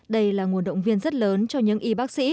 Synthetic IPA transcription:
ɗə˧jlaː˨˩ŋu˨˩ənɗə̰˧˨wŋ͡mvi˧ənzə˦˥t̚ləː˨˦nt͡ɕɔ˧ɲɨ̰˧˥ŋʔi˧ɓaː˦˥k̚sḭ˧˥

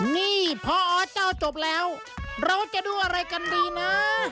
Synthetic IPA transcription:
niː˧˥˩pʰɔ˧˥ʔɔː˧˥t͡ɕaː˧˩wt͡ɕo˨˩p̚lɛː˦˥w | ɾa˧wt͡ɕa˨˩ʔduː˧ʔa˧ɾa˧jka˧ndiː˧˩na˦˥

